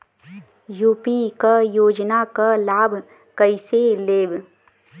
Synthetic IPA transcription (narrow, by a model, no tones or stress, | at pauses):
juːpikajoːd͡ʒnakalaːbʱ | kəɪseleːbʱ